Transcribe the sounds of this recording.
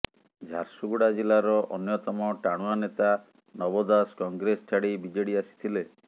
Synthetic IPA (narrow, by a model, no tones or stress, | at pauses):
d͡ʒʱaɾsuɡuɽad͡ʒilaɾɔʔɔnjɔt̪ɔmɔʈaɽ̃uanet̪a | nɔbɔd̪askɔŋɡɾest͡ʃʰaɽibid͡ʒɔɽiasi̥t̪ʰile